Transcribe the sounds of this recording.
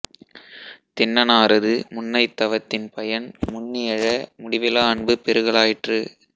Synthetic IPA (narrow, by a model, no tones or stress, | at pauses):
t̪ɪnːɐnaːɾɐðɯmʊnːɐɪt̪ːɐʋɐt̪ːɪnpɐjɐnmʊɳːɪɐɻɐmʊɽɪʋɪlaːɐɳbɯpɛɾɯɣɐɭaːjɪʈrɯ